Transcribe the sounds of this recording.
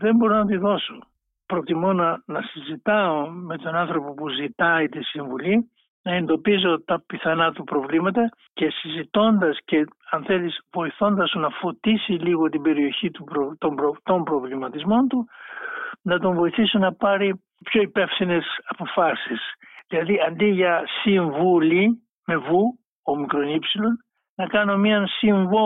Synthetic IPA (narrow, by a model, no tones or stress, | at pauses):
ðe̞mbo̞ɾonɐt̪iðo̞so̞ | pɾo̞t̪imo̞nɐnɐsizit̪ɐo̞me̞t̪o̞nɐnθɾo̞po̞puzit̪ɐit̪isiɱvuli | nɐe̞nd̪opizo̞t̪ɐpiθɐnɐt̪upɾo̞vlimɐt̪ɐ | ce̞sizit̪o̞nd̪ɐsce̞ɐnθe̞lisvo̞iθo̞nd̪ɐsunɐfo̞t̪isiliɣo̞t̪ibe̞ɾio̞çit̪uɾot̪obɾot̪o̞mbɾo̞vlimɐt̪izmo̞nt̪u | nɐt̪o̞ɱvo̞iθisonɐpɐɾi | pço̞ipe̞fθine̞sɐpo̞fɐsis | ðilɐðiɐnd̪iʝɐsiɱvuli | me̞vu | omikɾo̞nipsilo̞n | nɐkɐno̞miɐnsiɱvo